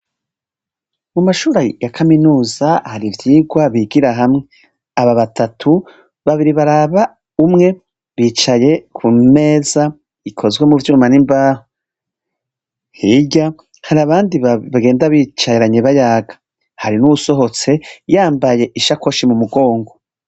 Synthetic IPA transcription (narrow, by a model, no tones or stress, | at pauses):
mumaʃuːɾajakʰaminuːzahaɾivjiːɡwaβiɡiɾaɦamŋe̞ | aβaβatʰatʰu | βaβiɾiβaɾaβa | umŋe̞ | βiːt͡ʃaje̞kʰume̞ːza | ikʰo̞zɡwemuvjuumanimbaho | hiɟa | haɾaβaːndiβaɡe̞ːndaβit͡ʃaeɾaɲeβajaːɡḁ | haɾinuβuso̞ɦo̞t͡se̞jaːmbaje̞ʔiʃako̞ʃimumuɡo̞ːŋɡo